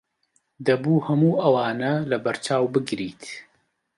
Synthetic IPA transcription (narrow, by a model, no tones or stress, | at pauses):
d̪ɐbuːhɐmuːʔɐwaːnɐlɐbɐɾt͡ʃaːwbɨɡɾiːt̪